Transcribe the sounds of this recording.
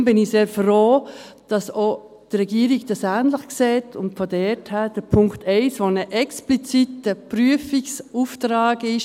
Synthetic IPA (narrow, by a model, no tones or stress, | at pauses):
mbɪniseːɾfroːd̥ɑsoː | d̥rɛɡiəɾiɡd̥ɑsæːnləχkseːtʰʊntfɔdɛːthæd̥əpʰʊŋktʰɛɪsʋonəʔɛksplit͡sitəpɾyəfiksuːftɾaːɡɪʃ